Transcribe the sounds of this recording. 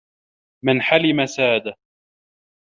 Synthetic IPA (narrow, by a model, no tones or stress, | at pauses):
mɪnħalɪmasaːd̪a